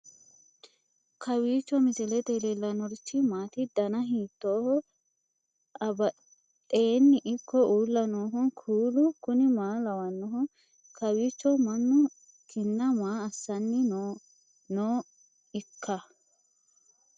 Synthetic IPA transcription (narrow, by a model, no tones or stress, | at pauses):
kʰɐwiːt͡ʃːɔmɪt̪ɪlɛd̪eːlɛlːɐnɔɾɪt͡ʃːɪmaːt̪ɪd̪ɐnɐɦiːt̪ːoːhɔ | ɐbɐ | eːnːɪʔɪkːɔʔuːlːɐnoːɦɔnkʰuːlʊkʊnɪmaːlɐwɐnːɔɦɔ | kʰɐwiːt͡ʃːɔmɐnːʊ | kɪnːɐmaːɐsːɐnːɪn | noː | ɪkʰːɐ